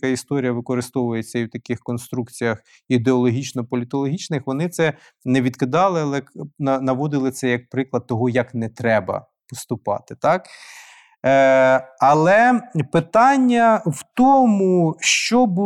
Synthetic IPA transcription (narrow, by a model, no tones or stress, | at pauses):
kɑist̪ɔɾʲijɐʋɪkɔɾɪst̪ɔʋʊjet͡sʲːɐiwt̪ɐkɪxkɔnst̪ɾukt͡sʲijɐx | id̪eɔlˠɔɦʲit͡ʃnɔpɔlʲɪt̪ɔlˠɔɦʲit͡ʃnɪxʋɔnɪt̪sɛ | nɛʋʲid̪kɪd̪ɑlˠɪɐlˠɛnɐnɐʋɔd̪ɪlˠɪsɛjɐk̚pɾɪklˠɐd̪̚t̪ɔɦɔjɐknɛt̪ɾɛbɐ̰ | pɔst̪ʊpɑ̰t̪ɪ̥t̪ɑk | ɐlˠɛpɪt̪ɑnʲːɐwt̪ɔmʊʃt͡ʃɔb